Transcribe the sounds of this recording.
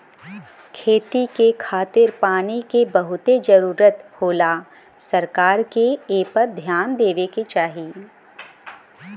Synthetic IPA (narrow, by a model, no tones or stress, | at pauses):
kʰeːt̪ikekʰaːt̪ɪɾpaːnikebɐɦʊt̪ed͡ʒɐɾuːɾət̪hoːla | sɐɾkaːɾkeeːpɐɾd̪ʱjaːnd̪eːʋeket͡ʃaːɦi